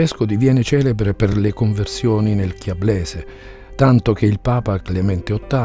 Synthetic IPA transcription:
ɛskʊd̪ivjɛːnet͡ʃɛːlebɾeperlekoɱversjɔːninelkjablɛːse | t̪ant̪ok̟eilpaːpaklament̪eot̪ːa

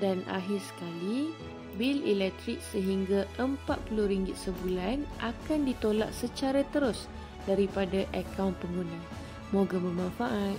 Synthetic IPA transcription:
dana̰ɦɪrsə̥kali | bililɛk̚t̪ɾik̚səɦiŋɡaʔəmpat̪̚pulʊhɾiŋɡɪt̪̚səbulanʔakandit̪ola̰ʔ̚sət͡ʃaɾat̪əɾʊs | daɾipadaʔəkawnpəŋɡunã | mõɡamə̃mãnfaʔat̪̚

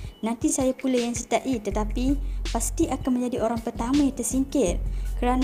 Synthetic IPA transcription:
nãnt̪isajapulajaŋsət̪aʔit̪ət̪apipast̪iʔakanməɲd͡ʒadiʔoɾaŋpərt̪amajat̪ərsiŋkɪrkəɾan

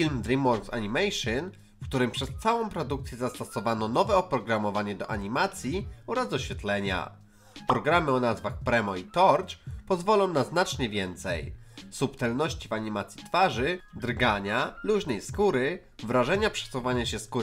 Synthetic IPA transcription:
fʲilmd̪ɾimɔɾɡsa̰ɲimɛjʂɛn | fkt̪uɾɘmpʂɛst̪sawɔ̃w̃pɾɔd̪uk̚t̪sʲjɛzast̪ɔsɔvanɔnɔvɛɔpɾɔɡɾamɔvaɲɛd̪ɔʔaɲimat̪sʲjiɔɾazdɔɕfʲjɛt̪lɛɲa̰ | pɾɔɡɾamɘɔnazvaxpɾɛmɔit̪ɔɾt͡ʂpɔzvɔlɔ̃w̃naznat͡ʂɲɛvʲjɛnt̪sɛ̰jsupt̪ɛlnɔɕt͡ɕivaɲimat̪sʲjit̪faʐɘd̪ɾɡaɲaluʑnɛjskuɾɘ | vɾaʐɛɲapʂɛ̥suvaɲaɕɛskuɾ

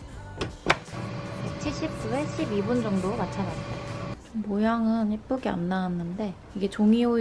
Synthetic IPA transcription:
pek̚t͡ɕʰeɕʰip̚k͈ueɕʰibibund͡ʑʌŋdomat͡ɕʰanatt͈at͡ɕompojaŋɯnip͈uɡea̰mnawanːɯnde̞ | iɡe̞t͡ɕoŋio

